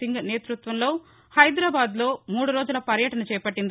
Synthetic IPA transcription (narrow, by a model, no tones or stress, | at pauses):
iŋɡɐneːt̪ɾut̪ʋɐmlo̞ː | hɐjd̪ɾaːbaːd̪lo̞ːmuːɽuɾoːd͡ʒulɐpɐɾjɐʈɐnɐt͡ʃɛːjɐpɐʈːind̪i